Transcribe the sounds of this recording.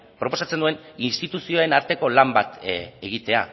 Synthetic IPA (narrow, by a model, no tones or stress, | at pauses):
pɾo̞poat͡send̪ue̞ninst̪it̪usio̞ae̞naɾt̪e̞ko̞lambat̪eɣit̪e̞a̰